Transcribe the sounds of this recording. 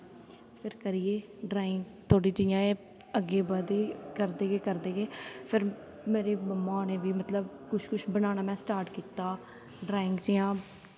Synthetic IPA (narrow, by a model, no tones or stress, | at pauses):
pʰɪɾkəɾieː | ɖɾaːɪŋɡ | t̪ʰoːɽiːd͡ʒɪjãːeː | əɡːeːbəːd̪eːkəɾd̪eːɡeːkəɾd̪eːɡeːpʰɪɾ | meːɾeːbəmãːneːʋiːmət̪ləb | kʊʃkʊʃbənaːnaːmɛ̃ːsʈaːɾʈkiːt̪aː | ɖɾaːɪŋɡd͡ʒɪjãː